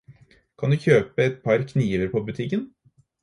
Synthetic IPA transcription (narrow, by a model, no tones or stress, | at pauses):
kʰɑnd̪ʉːçøːpəɛt̪̚pʰɑɾkʰniːʋəɾpʰobʉt̪ʰɪkːən